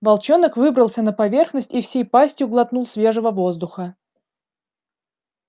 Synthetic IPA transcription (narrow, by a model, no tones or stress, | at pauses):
vɐlˠt͡ɕo̞nəkvɨbɾəlˠsʲənəpɐvʲe̞rxnəsʲtʲifsʲejpasʲtʲjʊɡlˠɐt̪nulˠsʲvʲe̞ʐəvəvo̞zd̪ʊxə